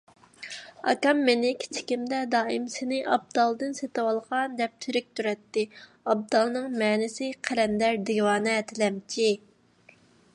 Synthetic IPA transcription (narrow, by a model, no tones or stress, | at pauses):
ɑ̰kɑmːenɪkʲʰi̥t͡ʃʰi̥kʲimd̪ɛd̪ɑːimsenɪʔɑb̚d̪ɑlˠd̪ɨnset̪ɨwɑlˠʁɑnd̪ɛp̚t̪ʰyɾyk̚ʲt̪ʰyɾɛt̪ːɪ | ɑb̚d̪ɑlˠnɨŋmɛːnɪsɪqʰæɾɛnd̪ɛɾd̪iwɑːnɛt̪ʰɪlɛmt͡ʃʰi